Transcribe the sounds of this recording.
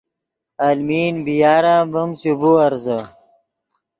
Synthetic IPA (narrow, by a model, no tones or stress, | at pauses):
almiːnbijaːɾãːbɐmsubuɐɾzə